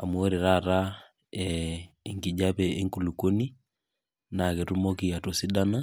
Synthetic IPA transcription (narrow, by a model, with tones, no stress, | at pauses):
a˨mwo˦ɾi˨ɾa˦˨ɾa˦ | ɛ | i˨ŋɡi˨d͡ʒa˦pɛ˨e˦ŋku˨lu˨ko˦ni˦ | na˨ke˨tu˦mo˦ki˨a˨to˨si˦da˦na˦